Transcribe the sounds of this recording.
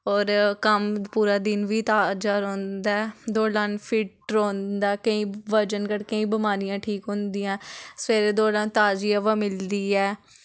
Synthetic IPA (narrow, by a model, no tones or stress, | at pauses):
ɔːɾkəmpuːɾaːd̪ɪnʋiːt̪aːd͡ʒaːɾõːnd̪aːɛd̪oːlaːnpʰɪʈ̚ɾõːnd̪aːkəĩːʋəɾd͡ʒənkəɽkəĩːbəmaːɾijãːʈʰiːkɦõːnd̪iːãːseːɾed̪oːlãːnt̪aːd͡ʒiːaːʋaːmɪld̪iːɛː